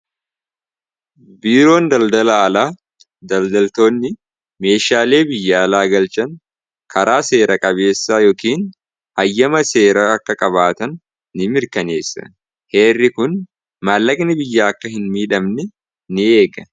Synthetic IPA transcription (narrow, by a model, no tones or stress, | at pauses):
biːɾo̞ːnd̪ɐld̪ɐlɐlaː | d̪ɐld̪ɐlt̪o̞ːnːɪ | me̞ːʃaːle̞ːbɪjːaːlaːɡɐlt͡ʃɐŋ | kʰɐɾʔaːse̞ːɾʔɐkʼɐβe̞ːsːaːjɔkiːn | hɐjːɐmɐse̞ːɾɐɐkːɐkʼɐβaːt̪ɐnː | ɪmɪɾkɐne̞ːsːɐ̰ | he̞ːrːɪkʊn | maːlːɐkʼnɪbɪjːaːkːɐhɪnmiːᶑɐmnɛ | nɪe̞ːɡɐ